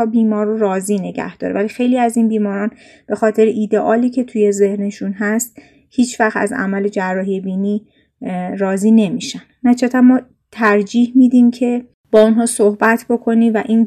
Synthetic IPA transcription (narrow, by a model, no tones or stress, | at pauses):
ɒbiːmɒːɾorɒːziːne̞ɟæ̰hd̪ɒːɾevæliːxejliːæzinbiːmɒːɾɒːn | b̥e̞xɒːt̪ʰe̞ɾeʔiːd̪eʔɒːliːcʰe̞t̪ʰuje̞ze̞hne̞ʃunɦæst̪̚ | hiːt͡ʃʰvæχt̪æ̰zæ̰mæle̞d͡ʒærːɒːɦiebiːniː | ɾɒːziːne̞miʃændnæt͡ʃʰæt̪ʰæmːɒː | t̪ʰæɾd͡ʒiːhmiːd̪imcʰe̞ | b̥ɒːunɦɒːsohbæt̪ʰbo̞kʰo̞niːvæʔiːn